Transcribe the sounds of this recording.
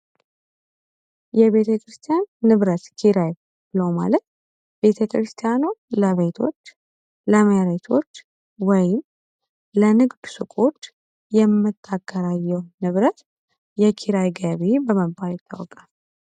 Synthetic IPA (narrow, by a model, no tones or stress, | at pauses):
jɛβe̞t̪ʰəkɾɨst̪ʰijanːɨβɾət̪kʰiɾaj | bɨləwma̰lət̪ | be̞t̪ʰəkʰɾɨst̪ʰijanuləβe̞t̪ʰo̞t͡ʃː | ləməjaɾet̪ʰo̞t͡ʃː | wɔjɪm | lənɨɡd̪usɨkʼot͡ʃ | jɛmːɨt̪ʰːaɡːəɾajːɛwnɨβɾət̪ | jɛkʰiɾajɡəβibəməbʼawɛt̪ʰʼːa̰wɔkʼal